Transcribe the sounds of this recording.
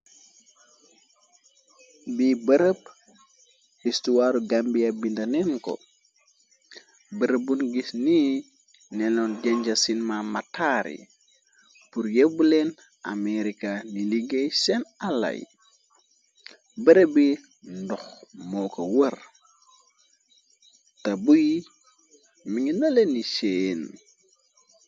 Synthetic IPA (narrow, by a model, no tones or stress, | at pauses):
bibəɾəb̚ | histuwaːɾuɡambiɐbindɐnɛnkɔ̰ | bəɾəbunɡisniː | nɛlɔnɟɛɲɟɐsinmamatʰaːɾḭ | puɾjebulɛn | a̰meɾikaniliɡejsɛnalːɐ̰j | bəɾebi | ndɔxmɔkowər | tɐbuji | miŋinalenisen